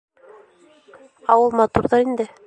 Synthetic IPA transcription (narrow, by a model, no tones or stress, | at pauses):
ɑwɤlˠmɑt̪uɾðɑɾind̪ɘ